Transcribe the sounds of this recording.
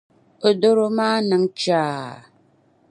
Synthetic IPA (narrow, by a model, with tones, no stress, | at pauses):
o˨do˦ɾo˦maː˦na˨˦ŋt͡ʃaː˨˦˨